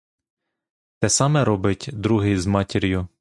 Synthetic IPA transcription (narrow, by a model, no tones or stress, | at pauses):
t̪ɛsɑmɛɾɔbɪtʲd̪ɾuɦɪzmɑtʲiɾʲjʊ